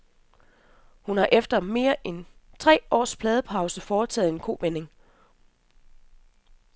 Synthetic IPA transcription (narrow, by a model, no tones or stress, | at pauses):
hunhɑ̈ʔefd̥ɐme̝ːɐʔent͡sʰʁɛ̰ːɒ̰ːspʰlɛːð̞ˠəpʰɑ̈ʊsəfɒːt͡sʰɛ̰ːð̩ˠe̝nkʰo̝̰ːʋene̝ŋ